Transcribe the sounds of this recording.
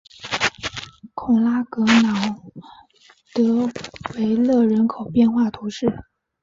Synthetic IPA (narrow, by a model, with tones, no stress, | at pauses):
kʰʊ˨˩ŋla˥kɤ˧˥nɑ˧˥ʊ | t̪ɤ˧˥we˧˥ɪlɤ˥˩ɻə˧˥nkʰo˨˩ʊpjɛ˥˧nxwa˥˩t̪ʰu˧˥ʂɻ̩˥˩